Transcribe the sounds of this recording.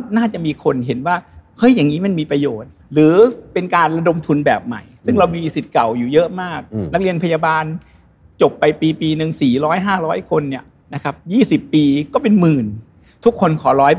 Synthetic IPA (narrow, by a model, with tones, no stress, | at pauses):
naː˥˩t͡ɕa˨˩ʔmiː˧kʰo˧nɦe˩˦nwaː˥˩hɤ˦˥jːa˨˩ŋːiː˦˥ma˧˨nmiː˧pɾa˧joː˨˩t̪̚ɾɯː˩˦pe˧nkaː˧nɾa˧do˧mt̪ʰu˧nbɛː˨˩p̚ma̰˨˩jsɯ˥˩ŋɾa˧wmiː˧si˨˩t̪̚ka˨˩wjuː˨˩jɤ˦˥ʔmaː˥˩k̚na˦˥k̚ɾi˧ənpʰa˧jaː˧baː˧n | t͡ɕo˨˩pːa˧jpiː˧piː˧nɯ˨˧ŋsiː˨˩˦ɾɔː˦˥jɦaː˥˩ɾɔː˦˥jkʰo˧nːi˥˩ɐ | na˦˥kʰa˦˥p̚jiː˥˩si˨˩pːiː˧kɔː˥˩pe˧nmɯː˨˩n | t̪ʰu˦˥kʰːo˧nkʰɔː˩˦ɾɔː˦˥j